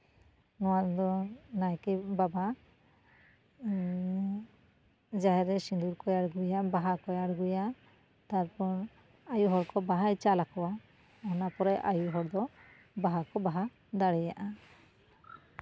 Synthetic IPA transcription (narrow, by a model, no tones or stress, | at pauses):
nɔwad̪ɔnajkɛbaba | d͡ʒaɦɛɾɛsind̪uɾkɔjaɽɡujabaɦakɔjaɽɡuja | t̪aɾpɔɾ | ajuɦɔɽkɔbaɦajt͡ʃalakɔwa | ɔnapɔɾɛʔa̰juɦɔɽd̪ɔ | baɦakɔbaɦa | d̪aɽɛjaʔa